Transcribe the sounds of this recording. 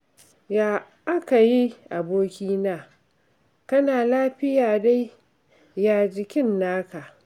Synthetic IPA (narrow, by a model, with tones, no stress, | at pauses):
jaː˨ | ʔa˦ka˨ji˦ʔa˨boː˦kʲiː˦naː˦˨ | kɐ˦naː˨laː˦ɸɪ˦jaː˨da˦j | jaː˨d͡ʒɪ˨kʲɪ˦nːaː˦ka˨ʔ